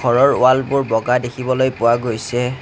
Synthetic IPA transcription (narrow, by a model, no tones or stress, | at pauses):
ɔɹɔɹʊalbʊɹbɔɡadekʰibɔlojpʊwaɡojsɛ